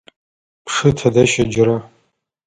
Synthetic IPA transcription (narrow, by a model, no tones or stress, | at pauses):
pʰʂɨtʰadaʃad͡ʒɾa